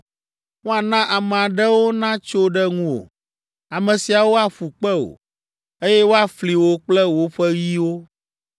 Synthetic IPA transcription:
ŋũ˦a˨nã˦ʔa˨mɛ̃˨a˨ɖɛ˦wo˦nã˦t͡ʃo˦ɖɛ˦ŋũ˦o̰˨ | a˨mɛ̃˨si˨a˨wo˦a˦ɸu˨k͡pɛ˦o̰˨ | e˦jɛ˦wo˦a˦fli˨wo˦k͡plɛ˦wo˦ɸɛ˦ɣi˦wo˦

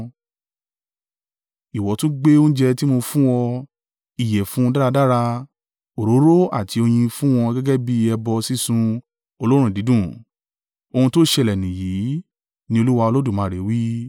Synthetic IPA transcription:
i˨wɔ˨˦tũ˦ɡ͡be˦o˦ñ̩˦d͡ʒɛ˧ti˦mo˧fũ˦w̃ɔ˧ | i˦˨jɛ˨fũ˨˦ɔ̃˧da˦ɾa˧da˦ɾa˧ | o˨ɾo˨˦ɾo˦a̰˦˨ti˨˦o˧j̃ĩ˧fũ˦w̃ɔ̃˧ɡɛ˦ɡɛ˦bi˦ɛ˧bɔ˧si˦sũ˧ | o˧lo˦ɾ̃ũ˦˨di˨˦dũ˦˨ | o˧hũ˧to˦ʃe˧˨lɛ˨nĩ˨ji˨˦ | nĩ˧o˧lu˦wa˧o˧lo˦du˦˨mãː˨˦˨ɾe˨˦wi˦

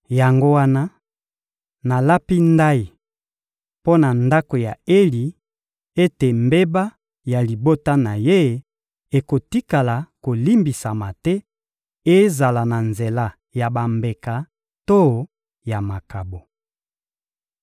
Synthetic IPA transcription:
ja˨ŋɡo˦wa˦na˦ | na˨la˦pi˦nda˦i˨ | po˦na˨nda˦ko˨ja˨e˦li˨ | e˦te˨mbe˦ba˦ | ja˨li˨bo˦ta˦na˨je˦˨ | e˨ko˨ti˦ka˨la˨ko˨li˦mbi˨sa˨ma˨tɛ˦ | e˦za˨la˨na˨nze˨la˦ | ja˨ba˨mbe˨ka˨ | to˦˨ | ja˨ma˨ka˨bo˨

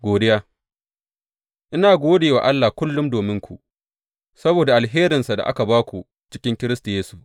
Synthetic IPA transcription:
ɡʷoː˨dɪ˦jaː˦ | ʔɪ˦naː˨ɡʷoː˦deː˨wa̰˨ʔa˦lːa˨hkʷʊ˦lːʊ˦mdoː˨mɪ˦ŋkʷʰṵ˨ | sɐ˦boː˨da˨ʔa˨lɦeː˦ɾɪ˨nsa˨da̰˨ʔa̰˦ka˨baː˦kʷu˨ | t͡ʃɪ̥˦kʲɪ˦ŋkʲɪ˦ɾɪ˦sta˨jeː˦su̥˨

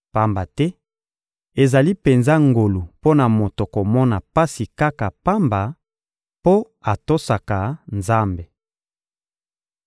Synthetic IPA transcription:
pa˦mba˨tɛ˦ | e˨za˨li˦pe˨nza˦ŋɡo˨lu˨po˦na˨mo˨to˨ko˨mɔ˦na˨pa˦si˨ka˦ka˨pa˦mba˨ | po˦ | a˨to˦sa˨ka˨nza˦mbe˨

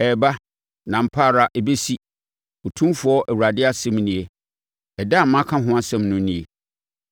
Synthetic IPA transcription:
ɛ˨ba˦ | nã˨m̩˨pʰaː˦˨ɾa˨ʔɛ˨be˦si˦ | o˨tʰũ˦mfʊ˨˦ɔ˦ʔɛ˨wu˨ɾa˨dɪ˦a˦sɛ̃˦m˦nĩ˨e˦ | ɛ˨da˦˨˦mã˦kʰã˦ɦʊ̃˦a˦sɛ̃˦mnʊ̃˦nĩ˨e˨

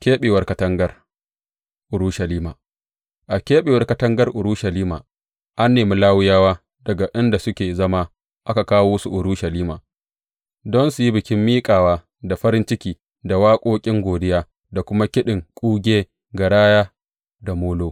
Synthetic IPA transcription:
kʲeː˦ɓeː˨wɐ˨rkɐ˨tɐ˦ŋɡɐ˦r | ʔʊ˨ɾuː˦ʃɐ˨liː˦maː˨ | ʔa˨kʲeː˦ɓeː˨wɐ˦rkɐ˨tɐ˦ŋɡɐ˦rʔʊ˨ɾuː˦ʃɐ˨liː˦ma̰ː˨ | ʔa˦nːeː˨mi˦laː˦wʊ˦jaː˦waː˦ | dɐ˨ɡa˨ʔɪ˦nda˨sʊ˦kʲeː˨zɐ˦ma˦ | ʔa˦ka˨kaː˦woː˦su˨ʔʊ˨ɾuː˦ʃɐ˨liː˦maː˨ | dɔ˦nsʊ˨ji˦bɪ˨kʲɪ˦mːiː˦kʼaː˨waː˦ | da˨ɸɐ˦ɾɪ˦nt͡ʃɪ˦kʲiː˨ | da˨waː˦kʷʼoː˦kʲʼɪ˦ŋɡʷoː˨dɪ˦jaː˦ | da˨kʷʊ˦ma˦kʲɪ˦ɗɪ˨ŋkʷʼuː˦ɡʲeː˦ | ɡɐ˨ɽaː˦jaː˦ | da˨moː˦loː˦

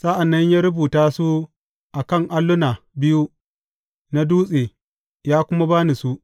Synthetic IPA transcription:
sa˦ʔa˨nːɐ˦ɲjaː˦ɾʊ˦buː˨taː˦su˦ | ʔa˨kɐ˦˨ŋʔa˦lːʊ˦na˨bɪ˦ju˦ | na˦duː˦sʼeː˨ | jaː˦kʷʊ˦ma˦baː˦ni˨su˦ʔ

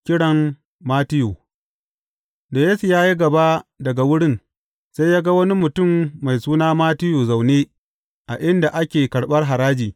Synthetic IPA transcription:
kʲɪ˦ɽɐ˨m | maː˦tɪ˦ju˨ | da˨jeː˦su˨jaː˦ji˦ɡɐ˨ba˦dɐ˨ɡa˨wʊ˦ɽɪ˦n | sa˦jaː˦ɡa˦wɐ˦ni˦mʊ˨tʊ˦˨mːa˨jsuː˦naː˦maː˦tɪ˦juː˨za˨wneː˦ | ʔa˨ʔɪ˦nda˨ʔa˦kʲeː˨kɐ˨ɽɓɐ˦rɦa˨ɾaː˦d͡ʒiː˨

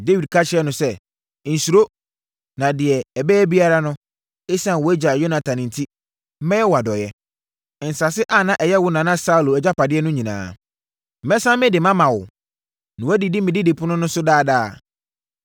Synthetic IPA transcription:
de˦wi˨d̚kʰa˦t͡ɕʰɪ˦ɛ˦nʊ̃˨sɛ˦˨ | n̩˨su˨ɾo˦ | nã˨dɪ˨ɛ˨ɛ˨bɛː˦bi˦a˦ɾa˦nʊ̃˦ | e˦sã˦˨wɔ˨˦æ˦d͡ʑa˨jo˦nã˨tʰã˨nɪ̃˨n̩˨tʰi˦ | m̩˦mɛ̃˦jɛ˦wɔ˨a˨dɔ˨jɛ˦˨ | n̩˨sa˨sɪ˦ʔa˦˨nã˦˨ʔɛ˨jɛ˦wʊ˦nã˨nã˦sa˦u˨lo˨ɛ˨d͡ʑa˦pa˨dɪ˦ɛ˦nʊ̃˦ɲĩ˨nã̰ː˨ | m̩˨mɛ˦sã˦mɪ̃˦dɪ˨mã˦mã˨wʊ̰˨ | nã˨æ˦di˨dɪ˦mɪ̃˨dɪ˦dɪ˨pʰʊ˦nʊ̃˦nʊ̃˦sʊ˦daː˦˨daː˦˨

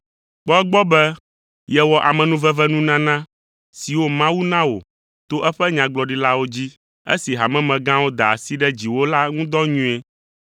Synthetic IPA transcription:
k͡pɔ˦ɛ˦ɡ͡bɔ˦bɛ˦ | jɛ˨wɔ˨ʔa˨mɛ̃˨nũ˦vɛ˦vɛ˦nũ˦nã˦nã˦ | si˨wo˦mã˦wu˦nã˦wo̰˨ | t̪o˦ʔɛ˦ɸɛ˦ɲã˨ɡ͡blɔ˨ɖi˦la˦wo˦d͡ʑi˦ | ḛ˦si˨ɦa˨mɛ̃˦mɛ̃˨ɡã˦wo˦d̪a˨a˨si˦ɖɛ˦d͡ʑi˨wo˦la˦ŋũ˦d̪ɔ˦ɲũ˦ɛ˦

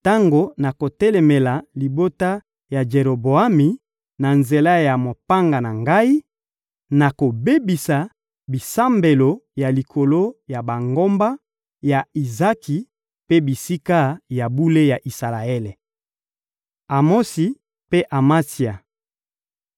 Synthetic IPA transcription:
ta˦ŋɡo˨na˨ko˨tɛ˦lɛ˨me˨la˨li˨bo˦ta˦ | ja˨d͡ʒe˨ʁo˨bo˨a˦mi˨ | na˨nze˨la˦ja˨mo˨pa˦ŋɡa˨na˨ŋɡa˦i˦ | na˨ko˨be˦bi˨sa˨ | bi˨sa˦mbe˨lo˨ja˨li˨kʰo˨lo˦ja˨ba˨ŋɡo˦mba˦ | ja˨i˨za˦ki˨ | pe˦bi˨si˦ka˦ja˨bu˦le˦ja˨ʔi˨sa˨la˨e˦le˨ | a˨mo˦si˨ | pe˦ʔa˨ma˦si˨a˨

